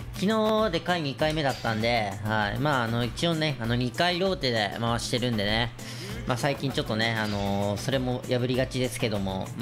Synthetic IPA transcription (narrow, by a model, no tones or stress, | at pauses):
kʲino̞ːd̪e̞kaiɲ̟ikaime̞d̪at̪ːãnd̪e̞haimaːno̞it͡ɕio̞ne̞ano̞ɲ̟ikaiɾʲo̞ːt̪e̞d̪e̞maβaɕi̥t̪e̞ɾɯ̟̃nd̪e̞ne̞ | maːsaikʲĩɲ̟t͡ɕo̞t̪ːo̞ne̞ano̞so̞ɾe̞mo̞jʔabɯ̟ɾʲiɡat͡ɕid̪e̞sɨ̥ke̞d̪o̞mo̞̰m